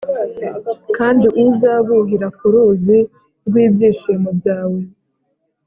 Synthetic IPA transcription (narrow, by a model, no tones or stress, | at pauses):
kaːndiʔuzaβuɦiɾakuɾuze | βwiːbjiːʃimobɟaːwe̞